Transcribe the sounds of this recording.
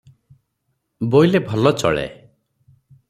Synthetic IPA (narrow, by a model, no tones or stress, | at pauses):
bojlebʱɔlɔt͡ʃɔ̰ɭḛ